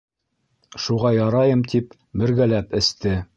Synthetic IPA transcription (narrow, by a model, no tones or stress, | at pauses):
ʃuʁɑjɑɾɑjɤmt̪ʰip | bɘ̆ɾɡælæpɘ̆st̪ɘ